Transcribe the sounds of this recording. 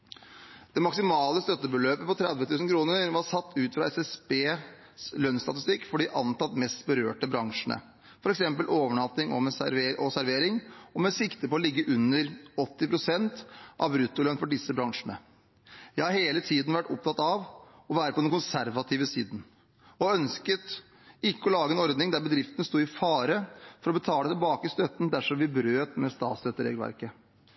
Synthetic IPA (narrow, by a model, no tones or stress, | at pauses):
d̪̥ɛmɑksɪmɑːləst̪œt̪ːəbəløːpəpɔt̪ʰɾɛd̪ʋət̪ʰʉːsn̩kʰɾuːnəɾʋɑsɑt̪ːʉːt̪fɾɑɛsɛsbeː | slœnst̪ɑt̪ɪst̪ɪkːfɔɖɪʔɑnt̪ɑt̪ːmɛst̪bəɾø̰ːʈəbɾɑŋʂəɳə̰ | fɔɾɛksɛmpəlʔoːʋəɳɑt̪ːɪŋɔ̰mɛeɔsæɾʋeːɾɪŋɔmɛsɪkt̪əpɔɔlɪɡːəʔʉnːəɾɔt̪ːɪpɾʊsɛnt̪ʔɑ̰ʋbɾʉt̪ːʊlœnfɔɖɪsːəbɾɑŋʂəɳə | jæɪhɑɾheːlət̪ʰiːd̪n̩ʋæʈːʊp̚t̪ʰɑt̪ːɑʋ | ɔʋæːɾəpʰɔd̪ɛnkʊnsæɾʋɑt̪ʰɪːʋəsḭːd̪n̩ | ɔœnskət̪ | ɪkːəɔlɑːɡəɛnɔɾd̪nɪŋd̪æɾbəd̪ɾɪft̪ənəst̪uːɪfɑːɾəfɔɾɔbət̪ʰɑːlət̪ʰɪlbɑːkəɪst̪œt̪ːn̩d̪æʂɔmʋɪbɾøːt̪mɛst̪ɑ̰ːt̪søt̪ːəɾḛːɡəlʋæ̰ɾkə